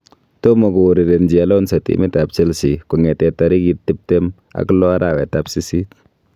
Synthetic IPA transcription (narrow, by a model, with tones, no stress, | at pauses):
to˦mo˨ku˨ɾi˨ɾe˨nd͡ʒi˨a˨lɔ˦nsa˨tḭ˦mi˦tapsi˦lsiku˨ŋɛ˨tɛ˨ta˨ɾi˦kitːi˦p̚te˦m | a̰˨klɔ˦a˦ɾa˨wɛ˨tapsi˦si˦t